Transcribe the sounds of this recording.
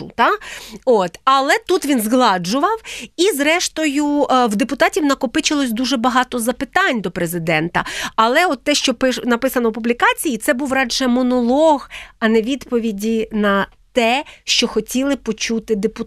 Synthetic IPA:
ʊ̰t̪ɑot̪ɐlˠɛt̪ut̪ʋʲinzɦlˠɑd͡ʒʊʋɐwizɾɛʃt̪ɔjuwd̪epʊt̪ɑtʲiwnɐkɔpɪt͡ʃɪlˠɔsʲd̪uʒɛbɐɦɑt̪ɔzɐpɪt̪ɑnʲd̪ɔpɾezɪd̪ɛnt̪ɐ̰ɐlˠɛɔt̪ːɛʃt͡ʃɔpɪʃnɐpɪsɐnɔwpublʲikɑt͡sʲijit̪sɛbuwrɑd͡ʒɛmɔnɔlˠɔɣɐnɛʋʲid̪pɔʋʲidʲinɐ | t̪ɛʃt͡ʃɔxɔtʲilˠɪpɔt͡ʃut̪ɪd̪epʊ

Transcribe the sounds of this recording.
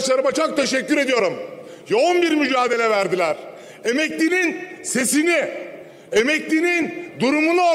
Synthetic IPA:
t͡ʃlˠaɾɯmat͡ʃʰok̚t̪ʰe̞ʃɛcːyɾe̞d̪ijo̞ɾum | jo̞unbiɾmyd͡ʒaːd̪e̞lʲɛvæɾd̪ilʲæɾ̥ | e̞mɛclʲininse̞sini | e̞mɛclʲinind̪uɾumunuo

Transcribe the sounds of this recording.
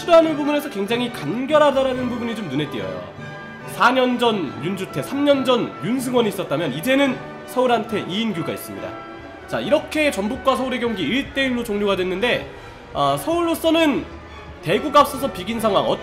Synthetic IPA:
uɦanɯnbubune̞sʰʌkwe̞ŋd͡ʑaŋɦikanɡjʌɾɦadaɾanɯnbubuɲit͡ɕomnune̞t͈ijʌ̰jo̰ | sʰaɲʌnd͡ʑʌnjund͡ʑutʰe̞sʰamɲʌnd͡ʑʌnjuns̬ʰɯŋwʌniis͈ʌt̚t͈amjʌnid͡ʑe̞nɯn | sʰʌuɾɦantʰe̞ʔiinɡjuɡais͈ɯmɲḭda̰ | t͡ɕa̰iɾʌkʰe̞t͡ɕʌnbuk̚k͈wasʰʌuɾe̞ɡjʌŋɡiiɭt͈e̞iɾot͡ɕoŋɲoɡadwe̞nːɯnde̞ | ʌsʰʌuɭːos͈ʌnɯn | te̞ɡuɡap̚s͈ʌsʰʌpiɡinsʰaŋɦwa̰ŋʌ

